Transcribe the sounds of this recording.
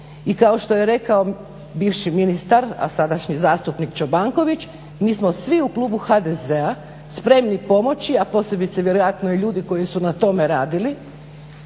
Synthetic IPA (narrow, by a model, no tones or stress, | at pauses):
ikao̞ʃt̪o̞je̞ɾe̞kao | biːʋʃiminist̪aɾa̰sad̪aʃɲizaːst̪upnikt͡ʃobaŋko̞ʋit͡ɕ | miːsmo̞sʋiuklˠuːbuxad̪ezea | spɾe̞mnipo̞mo̞t͡ɕiapo̞ːse̞bit̪seʋje̞ɾojat̪noiʎuːd̪iko̞jisunat̪o̞me̞ɾaːd̪ili